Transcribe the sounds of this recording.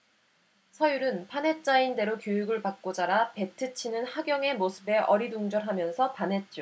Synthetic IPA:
sʰʌjuɾɯnpʰanɦe̞t͡ɕ͈ainde̞ɾokjojuɡɯɭpak̚k͈od͡ʑaɾape̞tʰɯt͡ɕʰinɯnhaɡjʌŋe̞mosʰɯbe̞ʔʌɾiduŋd͡ʑʌɾɦamjʌnsʰʌpanɦe̞t̚t͡ɕ͈o

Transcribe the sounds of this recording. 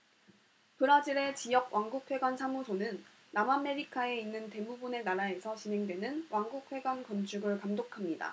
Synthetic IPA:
pɯɾad͡ʑiɾe̞t͡ɕijʌɡ̚wʔaŋɡuk̚ʰwe̞ɡwansʰamusʰonɯnː | amame̞ɾikʰae̞inːɯnte̞mubune̞naɾae̞sʰʌt͡ɕinɦe̞ŋdwe̞nɯnwʔaŋɡuk̚ʰɸwe̞ɡwankʌnt͡ɕʰuɡɯɭkamdokʰamɲida̰

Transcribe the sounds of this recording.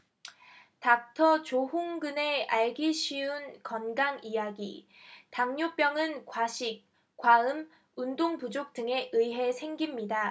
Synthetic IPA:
tak̚tʰʌt͡ɕoɦoŋɡɯne̞aɭɡiɕʰiunkʌnɡaŋijaɡḭ | taŋɲop͈jʌŋɯnkwaɕʰik̚ | k͈ːwaɯm | undoŋpud͡ʑok̚t͈ɯŋe̞ʔɯiɦe̞sʰe̞ŋɡimɲida

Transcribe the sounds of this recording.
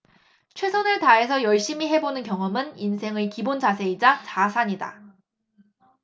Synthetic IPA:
t͡ɕʰwe̞sʰonɯɭtae̞sʰʌjʌɭɕ͈imiɦe̞bonɯnkjʌŋʌmɯninsʰe̞ŋɯɭkibond͡ʑas̬ʰe̞id͡ʑat͡ɕasʰaɲida̰

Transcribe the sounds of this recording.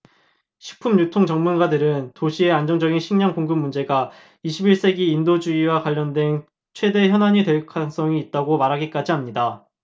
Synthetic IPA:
ɕʰi̥pʰumɲutʰoŋt͡ɕʌŋmunɡadɯɾɯntoɕʰie̞and͡ʑʌŋd͡ʑʌɡinɕʰiŋɲʌŋkoŋɡɯmːund͡ʑe̞ɡa | iɕʰibiɭs͈e̞ɡiːndod͡ʑuiwakwaʎːʌndwe̞n | t͡ɕʰwe̞de̞çjʌnɦaɲitwe̞ɭkʰaŋs͈ʌŋiːt̚t͈aɡomaɾɦaɡik͈ad͡ʑiamɲida

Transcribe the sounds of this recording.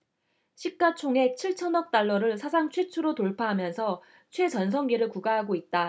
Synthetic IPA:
ɕʰik͈at͡ɕʰoŋe̞k̚t͡ɕʰiɭt͡ɕʰʌnʌk̚t͈aɭːʌɾɯɭsʰas̬ʰaŋt͡ɕʰwet͡ɕʰuɾotoɭpʰaɦamjʌnsʰʌ | t͡ɕʰwe̞t͡ɕʌns̬ʰʌŋɡiɾɯɭkuɡaɦaɡoit̚t͈a

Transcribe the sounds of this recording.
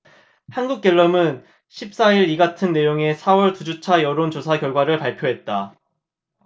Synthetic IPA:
hanɡuk̚k͈ʌɭːʌmɯn | ɕʰip̚s͈aiɾiɡatʰɯnːe̞joŋe̞sʰawʌɭtud͡ʑut͡ɕʰajʌɾont͡ɕosʰakjʌɭɡwaɾɯɭpaɭpʰjoɦe̞t̚t͈a

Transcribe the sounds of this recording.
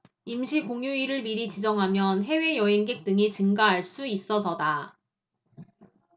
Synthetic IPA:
imɕʰikoŋjuiɾɯɭmiɾit͡ɕid͡ʑʌŋɦamjʌnɦe̞we̞jʌɦe̞ŋɡe̞k̚t͈ɯŋit͡ɕɯŋɡaɦaɭs͈uis͈ʌsʰʌda

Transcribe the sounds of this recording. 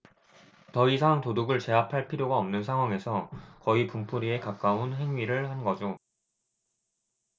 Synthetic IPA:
tʌisʰaŋtoduɡɯɭt͡ɕe̞ɦapʰaɭpʰiɾjoɡaʌmnɯnsʰaŋwaŋe̞sʰʌkʌipumpʰuɾie̞kak͈aunɦe̞ŋɥiɾɯɭhanɡʌd͡ʑo

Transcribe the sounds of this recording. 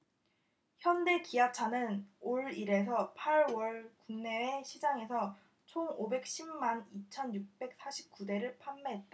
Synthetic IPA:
çjʌnde̞kiat͡ɕʰanɯnoɭiɾe̞s̬ʰʌpʰaɭwʌɭkuŋne̞weɕʰid͡ʑaŋe̞sʰʌ | t͡ɕʰoŋobe̞k̚ɕ͈ʰimmanit͡ɕʰʌnjuk̚p͈e̞k̚s͈aɕʰi̥p̚k͈ude̞ɾɯɭpʰamːeɦet̚t͈a

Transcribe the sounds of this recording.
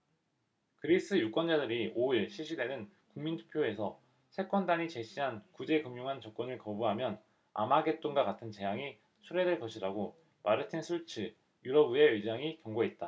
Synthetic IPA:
kɯɾis͈ɯjuk͈wʌnd͡ʑadɯɾioiɭɕʰiɭɕ͈ʰide̞nɯn | kuŋmintʰu̥pʰjoe̞sʰʌ | sʰe̞k͈wʌndaɲit͡ɕe̞ɕ͈ʰiɦankud͡ʑe̞kɯmjuŋɦant͡ɕʌk̚k͈ʌnɯɭkʌbuɦamjʌn | a̰maɡe̞t͈oŋɡwakatʰɯnt͡ɕe̞jaŋi | sʰuɾe̞dweɭkʌɕʰiɾaɡo | maɾɯtʰinsʰuɭt͡ɕʰɯ | juɾʌbue̞ɯɭd͡ʑ͈aŋikjʌŋɡoɦe̞t̚t͈a

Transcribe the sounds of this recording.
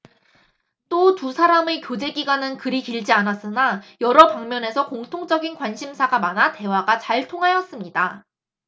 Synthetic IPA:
t͈otusʰaɾamekjod͡ʑe̞ɡiɡwanɯnkɯɾikiɭd͡ʑianas͈ɯnajʌɾʌpaŋmjʌne̞sʰʌkoŋtʰoŋt͡ɕ͈ʌɡinkwanɕʰimsʰaɡamanate̞waɡat͡ɕaɭtʰoŋɦajʌs͈ɯmɲida

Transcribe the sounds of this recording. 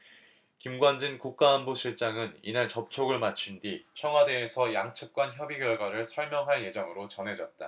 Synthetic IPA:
kimɡwand͡ʑinkuk̚k͈aːnboɕʰiɭt͡ɕ͈aŋɯnḭnaɭt͡ɕʌp̚t͡ɕʰoɡɯɭmat͡ɕʰundit͡ɕʰʌŋɦwadeːsʰʌjaŋt͡ɕʰɯp̚k͈wançjʌbiɡjʌɭɡwaɾɯɭsʰʌɭmjʌŋɦaɭje̞d͡ʑʌŋɯɾot͡ɕʌnɦe̞d͡ʑʌt̚t͈a

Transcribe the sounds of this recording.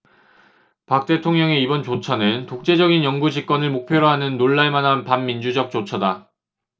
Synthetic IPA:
pak̚t͈e̞tʰoŋɲʌŋe̞ibʌnt͡ɕot͡ɕʰanɯntok̚t͡ɕ͈e̞d͡ʑʌɡinjʌŋɡud͡ʑik̚k͈wʌnɯɭmok̚pʰjoɾoɦanɯnːoɭːaɭmanɦanpamːind͡ʑud͡ʑʌk̚t͡ɕ͈ot͡ɕʰʌda

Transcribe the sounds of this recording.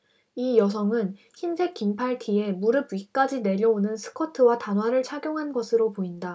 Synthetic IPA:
ijʌs̬ʰʌŋɯn | çinsʰe̞k͈ːimpʰaɭtʰie̞muɾɯbɥik͈ad͡ʑine̞ɾʌonɯnsʰɯ̥kʰʌtʰɯwatanwaɾɯɭt͡ɕʰaɡjoŋɦanɡʌsʰɯɾopoinda

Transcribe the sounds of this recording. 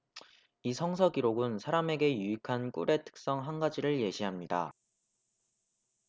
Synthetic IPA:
isʰʌŋsʰʌɡiɾoɡɯnsʰaɾame̞ɡe̞juikʰank͈ṵɾe̞tʰɯ̥k̚s͈ʌŋɦanɡad͡ʑiɾɯɭje̞ɕʰiɦamɲida̰

